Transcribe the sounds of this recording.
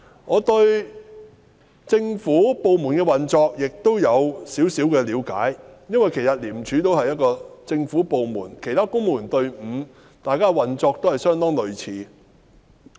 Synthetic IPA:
ŋɔː˨˧t̪ɵ˧ɥ | t͡sɪ˧ŋfuː˨˥po˨wmuː˨˩nkɛː˧wɐ˨nt͡sɔː˧k̚jɪ˨k̚t̪o˥wjɐ˨˧wsiː˨˥wsiː˨˥wkɛː˧liː˨˧wka̰ː˨˥jjɐ˥nwɐ˨jkʰe˨˩jsɐ˨t̚liː˨˩mt͡ʃʰyː˨˥t̪o˥whɐ˨jɐ˥t̚kɔː˧t͡sɪ˧ŋfuː˨˥po˨wmuː˨˩nkʰe˨˩jt̪ʰaː˥kʊ˥ŋmuː˨˩nt̪ɵ˧ɥm̩ː˨˧˥ | t̪aː˨jkaː˥wɐ˨nt͡sɔː˧k̚t̪o˥whɐ˨jsœː˥ŋt̪ɔː˥ŋlɵ˨ɥt͡sʰiː˨˧

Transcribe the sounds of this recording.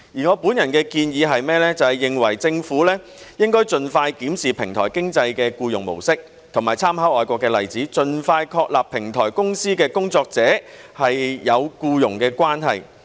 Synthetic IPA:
jiː˨˩ŋɔː˨˧puː˨˥njɐ˨˩nkɛː˧kiː˧njiː˨˧ɦɐ˨jmɛː˥lɛː˥t͡sɐ˨˧hɐ˨jɪ˨ŋwɐ˨˩jt͡sɪ˧ŋfuː˨˥lɛː˥ | jɪ˥ŋkɔː˥jt͡ʃɵ˨nfaː˧jkiː˨˥msiː˨pʰɪ˨˩ŋt̪ʰɔː˨˩jkɪ˥ŋt͡sɐ˧jkɛː˧kuː˧jʊ̰˨˩ŋmo̰˨˩wsɪ˥k̚ | t̪ʰʊ˨˩ŋmaː˨˩jt͡sʰaː˥mhɐ˨˥wɔː˨jkʷɔː˧kːɛː˧lɐ˨˩jt͡siː˨˥t͡ʃɵ˧nfaː˧jkʰɔː˧k̚laː˨pʰːɪ˨˩ŋt̪ʰɔ̰ː˨˩jkʊ˥ŋsiː˥kɛː˧kʊ˥ŋt͡sɔː˧k̚t͡sɛː˨˥hɐ˨jːɐ˨˧wkuː˧jʊ˨˩ŋkɛː˧kʷwaː˥nɦɐ̰˨j

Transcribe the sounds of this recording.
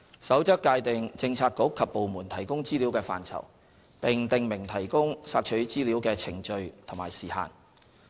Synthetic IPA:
sɐ˨˥wt͡sɐ˥k̚ːaː˧jt̪ɪ˨ŋt͡sɪ˧ŋt͡sʰaː˧k̚kːʊ˨˥kkʰːɐ˨pːo˨wmuː˨˩nt̪ʰɐ˨˩jkʊ˥ŋt͡siː˥liː˨˥wkɛː˧fa̰ː˨nt͡sʰɐ̰˨˩w | pɪ˨ŋt̪ɪ˨ŋmɪ˨˩ŋt̪ʰɐ˨˩jkʊ˥ŋsaː˧k̚t͡ʃʰɵ˨˥ɥt͡siː˥li˨˥wkɛː˧t͡sʰɪ˨˩ŋt͡ʃɵ˧ɥt̪ʰʊ˨˩ŋmaː˨˩jsiː˨˩ha̰ː˨˩n

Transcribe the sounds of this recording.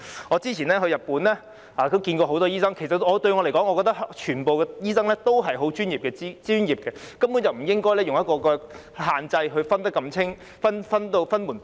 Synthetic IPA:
ŋɔ˨˧t͡siː˥t͡sʰiː˨˩nɛː˥ɦɵ˧ɥjɐ˨pːuː˨˥nlɛː˥ | aː˨˩k̪o˥wkiː˧nkɔː˧ɦo˨˥wt̪̬ɔː˥jiː˥sɐ˥ŋkʰe˨˩js̬ɐ˨tŋɔː˨˧t̪ɵ˧ɥŋɔ˨˧le˨˩kɔː˨˥ŋɔ˨˧kɔː˧t̪ɐ˥k̚t͡ʃʰyː˨˩npo˨wkɛː˧jiː˥sɐ˥ŋlɛː˥t̪o˥wɦɐ˨jɦo˨˥wt͡ʃyː˥njiː˨˩pkɛː˧t͡si˥t͡syː˥njiː˨p̚kɛː˧kɐ˥mku˨˥nt͡sɐ˨wm̩˨˩jɪ˥ŋkɔː˥jlɛː˥jʊ˨ŋjɐ˥tkɔː˧kɔː˧ | haː˨nt͡sɐ˧jɦɵ˧ɥfɐ˥nt̪ɐ˥kːɐ˧mt͡sʰɪ˥ŋ | fɐ˥nfɐ˥nt̪o˧wfɐ˥nmuː˨˩n

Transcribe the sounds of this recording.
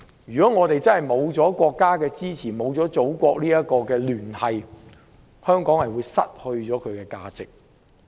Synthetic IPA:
jyː˨kɔː˨˥ŋɔː˨˧t̪e˨jt͡sɐ˥nhɐ˨jmo˨˧wt͡sɔː˨˥kʷɔː˧kːaː˥kɛː˧t͡siː˥t͡sʰiː˨˩mo˨˧wt͡sɔː˨˥t͡so˨˥wkʷɔː˧k̚liː˥jɐ˥t̚kɔː˧kɛː˧lyː˨˩nhɐ˨j | hœː˥ŋkɔː˨˥ŋhɐ˨jwuː˨˧jsɐ˥t̚hɵ˧ɥt͡sɔː˨˥kʰɵ˨˧ɥkɛː˧ka̰ː˧t͡sɪ˨k̚

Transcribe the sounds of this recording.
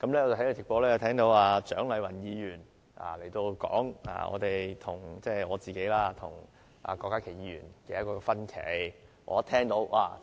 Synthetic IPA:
kɐ˨˥mlɛ˥ɔː˨˧t͡s̪ʰle˨˧˩t͡sɪ˨k̚pɔː˧lɛː˥jɐ˨˧t̪ʰɛː˥ŋt̪o˨˥waː˧t͡ʃœː˨˥ŋlɐ˨˧jwɐ˨˩njiː˧jyː˨˩n | ʔa̰ː˨le˨˩jt̪o˧wkɔ̰ː˨˥ŋa̰ː˧ɔ̰ː˨˧t̪e˨jt̪ʰʊ˨˩ŋt͡sɛː˥˧˩ɔː˨˧t͡siː˨ke˨˥jlaː˥t̪ʰʊ̰˨˩ŋ | ʔa̰ː˧kɔː˧kːaː˥kʰe˨˩jiː˨˧jyː˨˩nke˧jɐ˥tkɔː˧kɛ˧fɐ˥nkʰe˨˩˥j | ʔɔ̰ː˨˧˥t̪ʰɛː˥ŋt̪o˨˥wʔaː˧

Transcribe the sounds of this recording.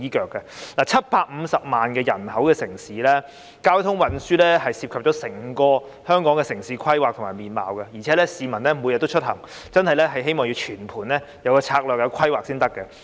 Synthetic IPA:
iː˨˥kœː˨kːɐ˧laː˨˩t͡sʰɐ˥t̚paː˧k̚m̩˨˧sɐ˨p̚maː˨nkɛː˧jɐ˨˩nhɐ˨˥wkɛː˧sɪ˨˩ŋsiː˨˥lɛː˥ | kaː˥wt̪ʰʊ˥ŋwɐ˨˥nsyː˥lɛː˥hɐ˨jsiː˧p̚kʰp̚t͡ʃɔ˨˥sɪ˨˩ŋkɔː˧ | hœː˥ŋkɔː˨˥ŋɛː˧sɪ˨˩ŋsiː˨˥kʰɐ˥jwaː˨k̚t̪ʰʊ˨˩maː˨˩jmiː˨˩nma̰ː˨˧wkɐ˧jiː˨˩ɛː˨˦lɛː˥siː˨˧mɐ˨˩nlɛː˥mu˨˧jɐ˨t̪ːt͡ʃʰɵ˥t̚hɐ˨˩ŋ | t͡sɐ˥nhɐ˨jlɛː˥ɦɐ˨jhe˥jmɔː˨ŋji˧wt͡ʃʰyː˨˩npʰuː˨˩nlɛː˥ | jɐ˨˧wkɔː˧t͡sʰaː˧k̚lœː˨k̚jɐ˧wkʰɐ˥jwaː˨k̚siː˥nt̪ɐ˥kːɛ˧

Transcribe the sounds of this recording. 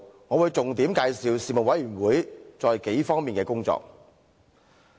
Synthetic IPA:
ŋɔː˨˧wuː˨˧jt͡sʊ˨ŋt̪iː˨˥mkaː˧jsiː˨˧wsiː˨˩mo˨˩wɐ˨˥jyː˨˩nwuː˨˥jt͡sɔː˨˧jke˨˥jfɔː˥ŋmiː˨nkɛː˧kʊ˥ŋt͡sɔ̰ː˧k̚

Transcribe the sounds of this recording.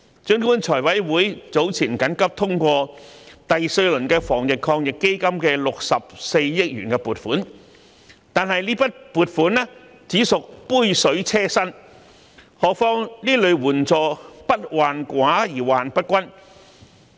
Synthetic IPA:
t͡ʃɵ˥ŋkuː˥nt͡sʰɔː˨˩jwɐ˨˥jwuː˨˥jt͡so˨˥wt͡sʰiː˨˩nkɐ˨˥nkɐ˥p̚t̪ʰʊ˥ŋkʷɔː˧t̪ɐ˨jsɵ˧ɥlɵ˨˩nkɛː˧fɔː˨˩ŋjɪ˨kʰːɔː˧ŋjɪ˨kːe˥jkɐ˥mkɛː˧lʊ˨k̚sɐ˨p̚se˧jːɪ˥k̚jy̰ː˨˩nkɛː˧puː˨˩t̚fuː˨˥n | t̪aː˨nɦɐ˨jliː˥pɐ˥t̚puː˨t̚fuː˨˥nɛː˥ | t͡siː˨˥sʊ˨k̚puː˥jsɵ˨˥ɥt͡sʰɛː˥sɐ˥n | hɔː˨k̚fɔː˥ŋliː˥lɵ˨˧ɥwuː˨˩nt͡sɔː˨pɐ˥t̚waː˨nkʷaː˨˥jiː˨˩waː˨npɐ˥t̚kʷɐ˥n

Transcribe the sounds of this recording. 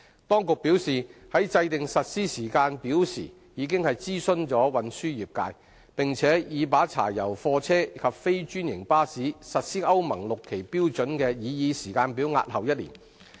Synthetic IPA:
t̪ɔː˥ŋkʊ˨k̚piː˨˥wsiː˨hɐ˨˥jt͡sɐ˧jt̪ɪ˨ŋsɐ˨t̚siː˥siː˨˩kaː˧npiː˨˥wsḭː˨˩ | jiː˨˧k̬ɪ˥ŋhɐ˨jt͡siː˥sɵ˥nt͡ʃɔː˨˥wɐ˨nsyː˥jiː˨˩p̚ka̰ː˧j | pɪ˨ŋt͡sʰɛː˨˥jiː˨˧paː˨˥t͡sʰa̰ː˨˩jɐ˨˩wfɔː˧t͡sʰɛː˥˧kʰɐ˨p̚fe˥jt͡ʃyː˥njɪ˨˩ŋpaː˥siː˨˥sɐ˨t̚siː˥ʔɐ˥wmɐ˨˩ŋlʊ˨kʰːe˨˩jpiː˥wt͡ʃɵ˨˥nkɛː˧jiː˨˧jiː˨˧siː˨˩kaː˧npiː˨˥wŋa̰ː˧t̚hɐ˨wjɐ˥t̚lḭː˨˩n

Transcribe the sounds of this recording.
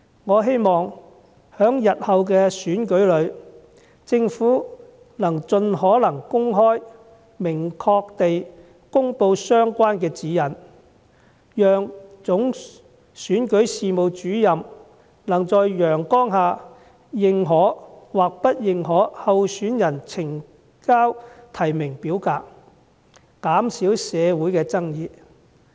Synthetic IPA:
ŋɔː˨˧ɦe˥jmɔː˨ŋ | hœː˨˥ŋjɐ˨t̚hɐ˨wk̬ɛː˧syː˨˥nkɵ˨˥ɥlɵ˨˧ɥ | t͡sɪ˧ŋfuː˨˥ | nɐ˨˩ŋt͡ʃɵ˧nhɔː˨˥lɐ˨˩ŋkʊ˥ŋɦɔː˥j | mɪ˨˩ŋkʰɔː˧k̚t̪e˨j | kʊ˥ŋpo˧wsœː˥ŋkʷaː˥nkɛː˧t͡siː˨˥jɐ˨˩n | jœː˨ŋt͡sʊ˨˥ŋ | syː˨˥nkɵ˨˥jsiː˨mo˨wt͡ʃyː˨˥jɐ˨m | lɐ˨˩ŋt͡sɔː˧jjœː˨˩ŋkɔː˥ŋɦaː˨˧ | jɪ˨ŋɦɔː˨˥waː˨k̚pɐ˥t̚jɪ˨ŋɦɔː˨˥hɐ˨˧wsyː˨˥njɐ˨˩nt͡sʰɪ˨˩ŋ | kaː˥wt̪ʰɐ˨˩jmɪ˨˩ŋpiː˨˥wkaː˧k̚ | kaː˨˥msiː˨˥wsɛː˨˧wuː˨˥jkɛː˧t͡sɐ˥ŋjiː˨˧

